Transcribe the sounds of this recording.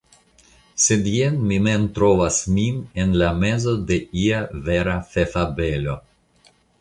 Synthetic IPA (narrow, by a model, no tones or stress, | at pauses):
sedienmiment̪ɾovasminenlame̞zo̞de̞iave̞ɾafefabe̞lo̞